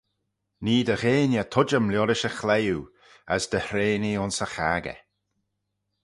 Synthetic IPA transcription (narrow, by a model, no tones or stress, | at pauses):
niːd̪əɣeːnjət̪ʰʊd͡ʒəmlʲjɔɾɪʃəxlɛju | əsd̪əhɾeːniʊnsəxaːɡə̰